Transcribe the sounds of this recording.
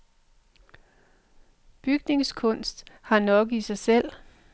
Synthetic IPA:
b̥yɡ̥ne̝ŋskʰɔ̽n̰sd̥hɑ̈nɒ̽ɡ̥isɑ̈ɪsel̰

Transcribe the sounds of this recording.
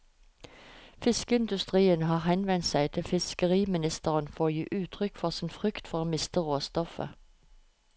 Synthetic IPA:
fɪskəɪnd̪ʉst̪ʁiːənhɑːʁhɛnʋɛnt̪sæɪt̪ʰɪfɪskəʁiːmɪnɪst̪əʁənfɔʁoːjḭːʔʉːt̪ʰʁʏkfɔʁsɪnfʁʏkt̪fɔʁoːmɪst̪əʁoːst̪ɔfə̰

